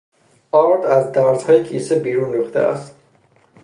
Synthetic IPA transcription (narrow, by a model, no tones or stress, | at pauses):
ɒɾd̪æzd̪æɾzhɒːjekʰisebiːɾunɾuxt̪ḛæ̰st̪